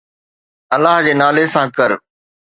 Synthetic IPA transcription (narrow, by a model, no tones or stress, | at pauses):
ɐlaːɦd͡ʑeːnaːlesãkəɾ